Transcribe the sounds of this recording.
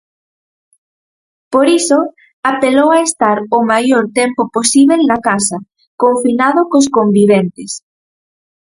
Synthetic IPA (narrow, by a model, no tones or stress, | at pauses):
poɾiso | apelowaest̪aɾomajoɾt̪empoposiβ̞elnakasɐ | koɱfinaðʊkos̬kombiβent̪ɪs